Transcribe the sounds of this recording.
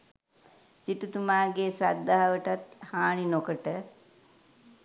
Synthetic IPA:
siʈut̪umaːɡesɾad̪ːaɦaʋəʈat̪haːɳinokəʈə

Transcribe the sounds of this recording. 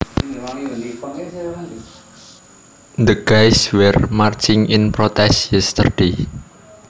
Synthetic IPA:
d̪əɡ̥ajswɛrmart͡ʃɪŋɪnpɾot̪ɛsjɛst̪ərɖ̥e

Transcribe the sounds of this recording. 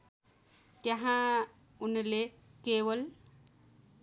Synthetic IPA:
t̪jaɦã | unle | kewəl

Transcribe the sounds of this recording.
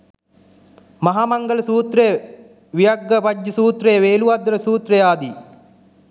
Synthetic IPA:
mɐɦaːmɐŋɡəlɐsuːt̪ɾej | ʋijɐɡːɐpɐd͡ʒːɐsuːt̪ɾejəʋeːluʋad̪ɾɐsuːt̪rɐjaːd̪i

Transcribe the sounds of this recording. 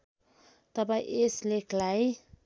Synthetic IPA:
t̪ʌbaʔesleklaj

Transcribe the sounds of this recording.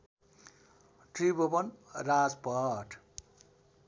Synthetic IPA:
ʈribobʌnrad͡zpʌʈʰ

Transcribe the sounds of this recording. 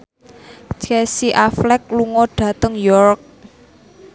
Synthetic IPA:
t͡ʃɛsiʔaflɛk̚luŋɔɖ̥ä̤t̪əŋjɔrk̚

